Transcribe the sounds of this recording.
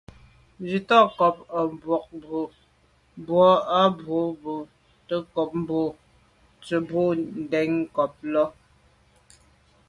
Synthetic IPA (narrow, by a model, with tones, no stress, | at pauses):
d͡ʒi˨tɔ˦˨kɔ˨p̚a˨m˨bwɔ˨k̚bo˨ | bwɔ˨˦a˦bo˨˦bo˨ | tə˦kɔ˨p̚m˦bo˦˨ | t͡sə˨bo˦˨n̩˨dɛ˨˦ŋ˦kɔ˨p̚lɔ˦